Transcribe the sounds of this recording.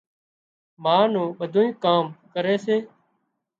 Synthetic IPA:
maːnũːɓəd̪ʱoːĩːkaːmkəɾeːseː

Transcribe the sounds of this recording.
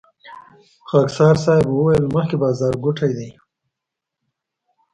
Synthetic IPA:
xaːksɑːɾsɑːjbwəwajəlməxkebɑːzɑːɾɡʊʈʰajd̪i

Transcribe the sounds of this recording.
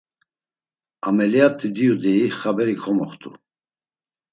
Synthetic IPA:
amɛlijat̪ʼːid̪iud̪ɛiχabɛɾikʰɔmɔχt̪ʰʼu

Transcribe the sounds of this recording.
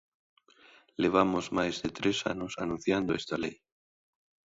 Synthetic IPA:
leβ̞amozmajzðet̪ɾesa̰nosanũn̟θjand̪oest̪alej

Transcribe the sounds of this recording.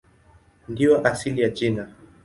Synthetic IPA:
ndiɔʔasilijad͡ʒina

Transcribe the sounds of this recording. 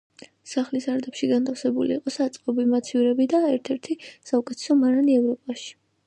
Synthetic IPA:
saχlisaɾd̪ɛpʃiɡant̪ʰafsɛbuliːqʼɔsat̪sʼqʼɔbimat̪sʰivɾɛbid̪aɛɾt̪ʰɛɾt̪ʰisaukʼɛt̪ʰɛ̥sɔmaɾaniɛvɾɔpʼaʃi̥

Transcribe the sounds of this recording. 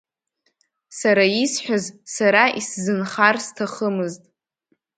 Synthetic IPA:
saɾaisħʷᶣazsaɾaʔiszɨnχarstʰaχəmɨztʼ

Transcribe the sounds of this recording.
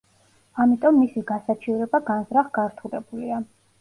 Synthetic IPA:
amit̪ʼɔmːisiɡasat͡ʃʰivɾɛbaɡanzɾaχɡaɾt̪ʰulɛbulia

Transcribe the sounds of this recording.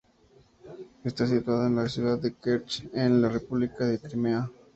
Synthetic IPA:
est̪as̬it̪waðaenlasjuðaðːekeɾt͡ʃenlarepuβlikaðe̞t̪ɾimea

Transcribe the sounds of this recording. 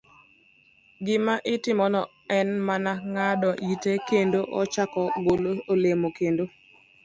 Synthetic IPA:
ɡɪmaʔɪtɪmɔnɔ | ɛnmanaŋadɔʔitekendoʔɔt͡ʃakɔɡoloolemokendo

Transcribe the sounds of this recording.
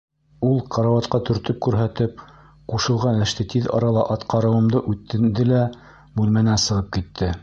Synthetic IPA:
ulˠqʰɑɾɑwɑt̪qɑt̪ɵ̆ɾt̪ɵp̚kʉɾɦæt̪ɘp̚ | quʃɤ̆lˠʁɑnɘ̆ʃt̪ɘt̪iðɑ̰ɾɑlˠɑʔɑt̪qɑɾɤ̆wɤ̆md̪ɤʔʉt̪ːɘ̆nd̪ɘlæ | bʉlmænænsɤ̆ʁɤp̚kit̪ʰːɘ

